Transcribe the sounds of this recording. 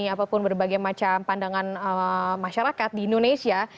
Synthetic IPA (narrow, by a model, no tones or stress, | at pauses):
iapapʊnbərbaɡajmat͡ʃampandaŋanəmaʃaɾakat̪̚diːndonesia